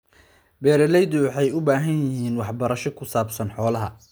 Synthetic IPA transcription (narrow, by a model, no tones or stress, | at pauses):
bɛːɾɛlɛjd̪ʊwɑħɑjʊbaːɦɐnjɪɦiːnwɑħbɐɾɐʃɔkʰʊsaːbsɐnħɔːlɐɦɐ